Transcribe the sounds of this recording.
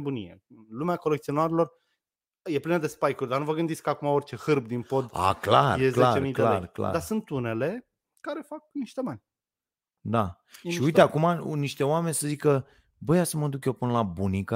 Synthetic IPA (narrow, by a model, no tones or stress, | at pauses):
bunḭjḛlumeako̞lekt̪sio̞naɾelo̞r | je̞plinəd̪e̞spajkurʲd̪arnuvəɡɨnd̪it̪ʲkəakumaort͡ʃe̞hɨrb̚d̪inpo̞d̪a̰klarjezleat͡ʃemidklelaerkla̰d̪asunt̪une̞le̞ | kaɾe̞fak̚niʃt̪e̞banʲ | d̪a | ʃiuijt̪eakumaniʃt̪e̞oame̞nʲsəzikə | bəjasəməd̪ukjepɨnəlabunikə